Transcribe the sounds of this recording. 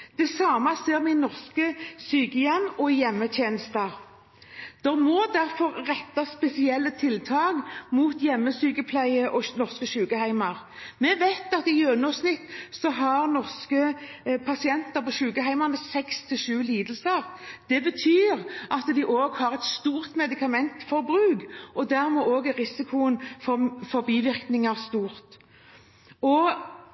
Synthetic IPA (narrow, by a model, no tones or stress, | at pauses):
d̪̥ɛsɑːmɑseːʁmɪnɔʁskəsyːkəjɛmːɔjɛmːət̪ʰjeːnəst̪ɑʁ | d̪̥ɔmɔd̪æʁfɔʁʁɛt̪ːɑspɛsɪɛlːət̪ʰɪlt̪ʰɑːɡmuːt̪jɛmːəsyːkəpʰlæɪəʔɔnɔʁskəʃʉːkəhæɪmɑʁmɛʋæɪt̪ɑt̪ɪjøːnɔsnɪt̪ːsɔɦɑʁnɔʁskəpʰɑsɪɛnt̪əɾpʰɔʃʉːkəɦæɪmɑnəsɛkst̪ʰɪlʃʉːliːd̪əl̩səʁd̪̥ɛbət̪ʰyːʁʔɑt̪d̪ɪʔoːɡhɑʁɛt̪st̪uːʁt̪mɛd̪ɪkɑmɛnt̪fɔɾbɾʉːɡʔɔd̪æʁmɛʔoːɡʁɪsɪkʰʊənfɔfɔɾbiːʋɪʁknɪŋɑʁst̪uːɾt̪ | ɔ